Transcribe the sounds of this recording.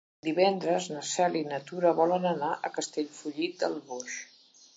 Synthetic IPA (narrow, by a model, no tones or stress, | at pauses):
d̪iβɛnd̪ɾəznəsɛlinət̪uɾəβɔlənənaʔəkəst̪eʎfuʎit̪̚d̪əlˠβos